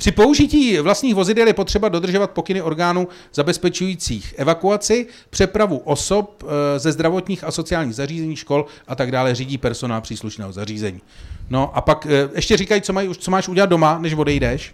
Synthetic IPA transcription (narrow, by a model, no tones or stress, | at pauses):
pr̝̥ɪpo̞uʒɪciːvlast̪ɲiːxvo̞zɪdɛljɛpo̞t̪r̥ɛbado̞d̪r̩ʒovat̪̚po̞kɪnɪʔo̞ɾɡaːnuː | z̥abɛspɛt͡ʃujiːt͡siːxʔɛvakuat͡sɪ | pr̝̥ɛpɾavuʔo̞so̞p̚zɛzd̪ɾavo̞t̪ɲiːxaso̞t͡sɪjaːlɲiːɣzariːzɛɲiːʃko̞lʔat̪aɡdaːlɛriːɟiːpɛɾso̞naːlpr̥iːsluʃnɛ̰ːɦozariːzɛɲiːno̞ʔapakʔɛʃcɛrikajit͡somajiut͡so̞maːʃʔuɟɛlat̪̚do̞manɛʃvo̞dɛjdɛʃ